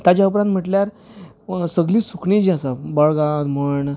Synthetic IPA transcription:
t̪jat͡ɕjaupɾãnt̪m̤əʈljaɾ | səɡliːsukɳid͡ʑiasabəɭɡãt̪m̤əɳ

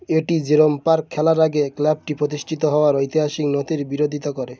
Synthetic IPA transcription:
eʈid͡ʑeɾompaɾkʰɛlaɾaɡeklɛb̚ʈipɾot̪̬iʃʈʰit̪oɦɔoaɾojt̪iɦaʃiknot̪iɾbiɾod̪ʱit̪okɔɾe

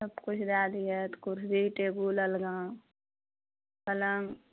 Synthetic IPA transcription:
ɐbkʊt͡ʃʰd̪aːd̪iɛt̪kʊɾsd̪iʈeːbuləlɡãː | kɐləŋ

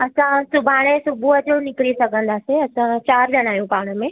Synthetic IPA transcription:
ɐsãsʊbʱaːɽ̃esʊbʱuɦəd͡ʑonɪkɪɽisɐɡʱə̃nd̪aːseɐsãt͡ɕaːɾɗɐɽ̃aːjũpaːɽ̃ə̆mẽː

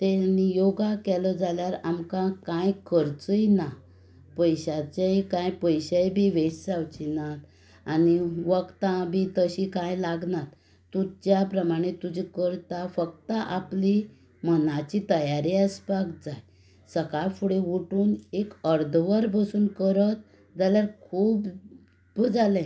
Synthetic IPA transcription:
t̪enijoɡakɛləd͡zaljaɾamkãkãjkəɾt͡səjna | pəjɕat͡ɕejkãjpəjɕəjbʱiʋesd͡zawt͡ɕinat̪ | aniʋəkt̪ãbʱit̪əɕikãjlaɡnat̪ː | ud͡ʑjapɾəmaɽ̃et̪ud͡ʑikəɾt̪afəkt̪əʔapli | mənat͡ɕit̪əjaɾiəspakd͡zaj | səkafuɽeuʈuːnekəɾd̪ʱʋəɾbəsuːnkəɾət̪̚ | d͡zaljaɾkʰuːb | bud͡zalɛ̃

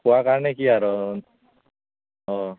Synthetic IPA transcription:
kuwakaɾnekiaɾɔ | ɦɔ

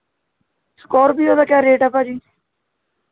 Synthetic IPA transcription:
skɔːɾbʱiːoːd̪aːkjaːɾeːʈəpaːd͡ʒiː

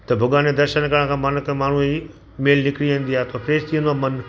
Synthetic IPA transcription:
t̪ɐbʱʊɡaːned̪ɐɾʃənkəɽ̃kʰãːmɐnkːmaːɳ̤ui | meːlnɪkɪɽiʋẽːn̆d̪iaːet̪ʰoːpʰɾeːst̪ʰĩə̃nd̪oaːmɐn

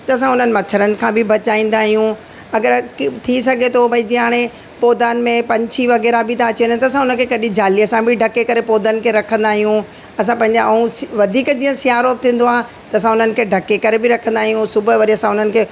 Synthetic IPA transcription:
t̪ɐɐsãʊn̤ənɪ̆mɐt͡ɕʰəɾənɪ̆kʰãbʱɪbʱɐt͡ɕaːĩːnd̪aːɦijũ | ɐɡəɾt̪ʰisɐɡʱet̪ʰobʱɐid͡ʑĩːɦaːɽ̃ẽ | poːd̪aːnɪ̆mẽpɐ̃ɲt͡ɕʰiʋɐɣɛːɾabʱɪt̪aːt͡ɕiẽnd̪t̪ɐsãʊnə̃nkʰekɐɗĩd͡ʑaːliɐsãbʱɪɖʱɐkekɐɾepoːd̪ənɪ̆kʰeːɾɐkʰə̃nd̪aːɦijũ | ɐs̬ãpɐ̃ɦɪ̃ɲd͡ʑaɐũʋɐd̪ʱiːkd͡ʑiːə̃sɪjaːɾoːbɪt̪ʰĩːn̆d̪oaːɦ | t̪ɐɐsãʊn̤ənɪ̆kʰeːɖʱɐkekɐɾebɪɾɐkʰə̃nd̪aːɦijũsʊbəʋɐɾiɐsãʊn̤ənɪ̆kʰeː

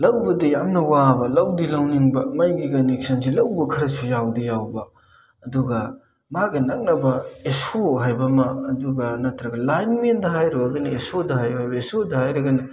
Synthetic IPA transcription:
lɐwbɐdɐjamnɐwabɐlɐwdilɐwniŋbɐmɐjɡikɐnek̚sʰɐnsilɐwbɐkʰɐɾɐsujawdɐjawbɐ | ɐduɡɐ | maɡɐnɐk̚nɐbɐesoɦajbɐmɐːduɡɐnɐtɾɐɡɐlajnmendɐɦajɾoɐɡɐnɐesodɐhajɦajbɐesodɐhajɾɐɡɐnɐ

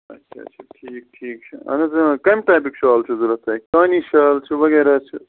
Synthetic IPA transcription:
ɐ̰t͡ʃʰɐ̰t͡ʃʰɐʈʰiːk̚ʈʰiːk̚t͡ʃʰɐɐ̰nɐzukɐmʈaːp̬ikʃaːlt͡ʃʰuzulɐt̪ɐjkkaːniʃaːlt͡ʃʰuʋɐɣeːɾaːt͡ʃʰṵ

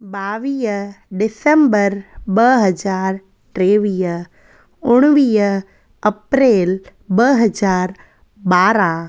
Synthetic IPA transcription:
baːʋiːɦɖɪsə̃mbəɾbɐɦɐd͡ʒaːɾ | ʈɾeːʋiːɦ | ʊɽ̃ʋiː | ɐpɾeːlbɐɦɐzaːɾ | ɓaːɾã

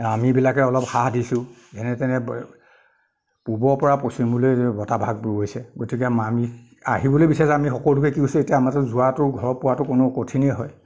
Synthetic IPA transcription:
amibilakɛɔlɔpxahdisʊ̃ | ɛnɛtɛnɛ | pubɔɹpɔɹaposimbulojbɔtabʱaɡ̚buɡojsɛɡotikɛmami | a̰ɦibɔlojbisasamixɔkɔlʊk̬ɛkiɡojsuetijaamatɔzʊatʊɡʱɔɹpʊwatʊkʊnʊkotʰinɛɦɔj

